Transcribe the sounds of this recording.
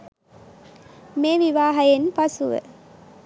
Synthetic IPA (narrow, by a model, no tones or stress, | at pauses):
meːʋiʋaːɦɐjenpɐsuʋə̰